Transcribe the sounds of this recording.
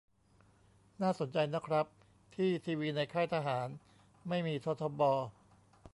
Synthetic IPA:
naː˥˩so˩˦nt͡ɕa˧jna˦˥kʰɾa˦˥p̚ | t̪ʰiː˥˩t̪ʰiː˧wiː˦˧˥na˧jkʰaː˥˩jt̪ʰa˧ɦaː˩˦n | ma˥˩jmiː˧t̪ʰo˦˥t̪ʰo˧bɔː˧

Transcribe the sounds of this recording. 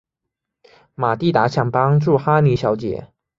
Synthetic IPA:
ma˨˩t̪i˥˩t̪a˧˥ɕʰjɑ˨˩ŋpɑ˥ŋʈ͡ʂu˥˩xa˥ni˧˥ɕjɑ˧˥ʊt͡ɕjɛ̰˧˦

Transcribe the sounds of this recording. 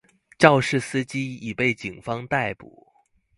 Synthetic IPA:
ʈ͡ʂɑ˥˧ʊʂɻ̩˥˩sɹ̩˥t͡ɕi˥i˨˩pe˥˩ɪt͡ɕi˨˩ŋfɑ˥ŋt̪a˥˩ɪpṵ˨˩˦

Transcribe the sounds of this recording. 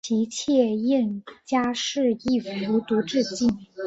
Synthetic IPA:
t͡ɕi˧˥t͡ɕʰjɛ˥˧jɛ˥˩nt͡ɕja˥ʂɻ̩˥˧i˥˩fu˧˥t̪u˧˥ʈ͡ʂɻ̩˥˧t͡ɕi˥˩n

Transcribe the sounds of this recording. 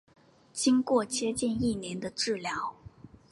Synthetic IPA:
t͡ɕi˥ŋkwɔ˥˩t͡ɕʰjɛ˥t͡ɕɛ˥˧ni˥˩njɛ˧˥nd̪ə˧ʈ͡ʂɻ̩˥˩ljɑ˧˥ʊ

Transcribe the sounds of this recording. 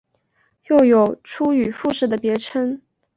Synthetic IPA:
jo˥˩ʊjo˨˩ʊʈ͡ʂʰu˥y˨˩fu˥˧ʂɻ̩˥˩d̪ə˩pjɛ˧˥ʈ͡ʂʰə˥n

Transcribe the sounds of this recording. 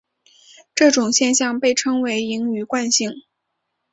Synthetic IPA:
ʈ͡ʂɤ˥˩ʈ͡ʂʊ˨˩ŋɕjɛ˥˧nɕjɑ˥˧ŋpe˥˩ɪʈ͡ʂʰɤ˥ŋwe˧˥ɪi˧˥ŋy˨˩kwa˥˧nɕi˥˩ŋ

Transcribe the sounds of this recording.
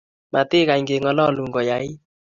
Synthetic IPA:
ma˨t̪ɪ˦ka˨i˨ŋɡe˨ŋɔ˨lɔ˦˨lu˨ŋɡɔ˨ja˨˦ɪ˦

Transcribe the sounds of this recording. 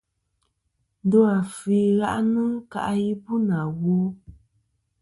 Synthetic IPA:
n̩˦dɔ˦a˨fi˨˦ɣa˦ʔnɨ˦ŋ˦ka̰˦ʔji˦pu˦na˨ɣo˦

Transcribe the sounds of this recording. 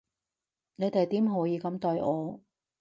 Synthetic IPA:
ne˨˧jt̪e˨˩jt̪iː˨˥mɦɔː˨˥jiː˧kɐ˨˧mt̪ɔː˧jʔɔː˨˧

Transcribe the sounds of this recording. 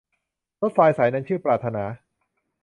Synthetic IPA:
to˦˥t̪̚faː˧jsaː˩˦jnaː˧ŋt͡ɕʰɯː˥˩pɾaː˨˩t̪ʰːa˧naː˩˦

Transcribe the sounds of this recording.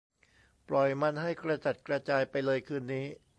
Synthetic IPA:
plɔ˨˩jma˧nɦa˥˩jkɾa˧t͡ɕa˨˩t̪̚kɾa˧t͡ɕaː˧jpa˧jlɤː˧jkʰɯː˧nːiː˦˥

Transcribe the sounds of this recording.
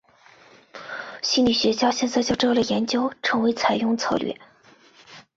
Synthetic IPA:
ɕi˥˧nli˨˩ɕɥɛ˧˥ɕjɑ˥ʊɕjɛ˥˧nt͡sa˥˧ɪt͡ɕjo˥˧ʊʈ͡ʂlə˨˩jɛ˧˥nt͡ɕjo˥ʊʈ͡ʂʰɤ˧˥ŋwe˧˥ɪt͡sʰa˨˩ɪjʊ˥˧ŋt͡sʰɑ˥ʊlɥɛ̰˥˩

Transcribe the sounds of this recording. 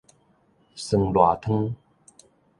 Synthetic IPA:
sɨ˨˩˨ŋlwa˨˩t̪ʰə˥˦ŋ

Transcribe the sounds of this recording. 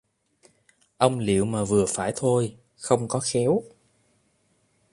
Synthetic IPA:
ʔə˧wŋ͡mlḭ˧˨əwmaː˨˩vɨ˨˩əfaː˧˩jt̪ʰo˧j | xə˧wŋ͡mkɔ˨˦xɛ˨˦w

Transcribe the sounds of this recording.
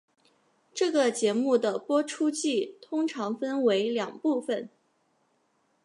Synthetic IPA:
ʈ͡ʂɤ˥˩ɡə˩t͡ɕjɛ˧˥mu˥˩d̪ə˩pwɔ˥ʈ͡ʂʰu˥t͡ɕi˥˩t̪ʰʊ˥ŋʈ͡ʂʰɑ˧˥ŋfə˥nwe˧˥ɪljɑ˨˩ŋpu˥˩fə˩n

